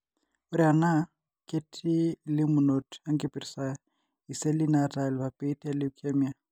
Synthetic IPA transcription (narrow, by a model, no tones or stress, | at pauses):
ʊɾɪana | kʼetʰʼilɪmʊnotʰaŋ̩kʼɪpʼɪrisa | iselɪnatʼalbapʼeitʼalɪʊkʰemia